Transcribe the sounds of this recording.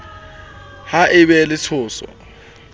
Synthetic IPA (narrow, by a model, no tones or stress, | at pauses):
haʔɪbɛlɪt͡sʰʊːsɔ̰